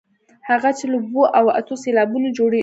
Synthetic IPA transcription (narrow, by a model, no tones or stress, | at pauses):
haɣat͡ʃeloboʔawa̰t̪oselɑbunod͡ʒoɽe